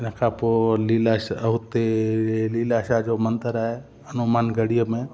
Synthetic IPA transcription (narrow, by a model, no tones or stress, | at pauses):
ɪn̤əkʰapolɪlaʃəɦʊt̪elilaːʃad͡ʒomə̃nt̪əɾaɦe | ɐnʊmaːnɡəɽijəmẽ